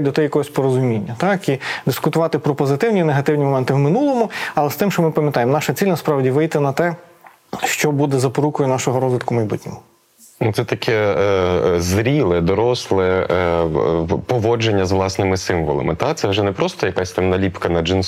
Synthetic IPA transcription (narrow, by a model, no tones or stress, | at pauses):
d̪ɔt̪ɛjɐkɔɦɔsʲpɔɾɔzʊmʲinʲːɐt̪ɑkid̪ɪskʊt̪ʊʋɑt̪ɪpɾɔpɔzɪt̪ɪwnʲineɦɐt̪ɪwnʲimɔmɛnt̪ɪwmɪnulˠɔmʊɐlˠɛst̪ɪmʃt͡ʃɔmɪpɐmjɐt̪ɑjemnɑʃɐt͡sʲilʲnɐspɾɑwdʲiʋɪjt̪ɪnɐt̪ɛ | ʃt͡ʃɔbud̪ɛzɐpɔɾukɔjʊnɑʃɔɦɔɾɔzʋɪt̪kʊmɐjbutʲnʲɔmʊ | nut̪sɛt̪ɐkʲʰɛ | zɾʲilˠɪd̪ɔɾɔslˠɪ | pɔʋɔd͡ʒenʲːɐzʋlˠɑsnɪmɪsɪmʋɔlˠɐ̰mɪt̪at̪sɛʋʒɛnɛpɾɔst̪ɔjɐkasʲt̪amnɐlʲipkɐnɐd͡ʒins